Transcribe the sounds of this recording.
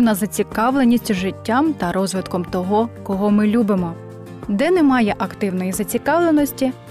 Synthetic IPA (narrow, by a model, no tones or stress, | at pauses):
nɐzɐt͡sʲikɑʋlˠe̞nʲisʲtʲʒɪtʲːamt̪ɐɾɔzʋɪt̪kɔmt̪ɔɦɔkɔɦɔmɪlʲubɪmɔ | d̪ɛnɛmɑjɛʔɐkt̪ɪwnɔjizɐt͡sʲikɑʋlˠe̞nɔsʲtʲi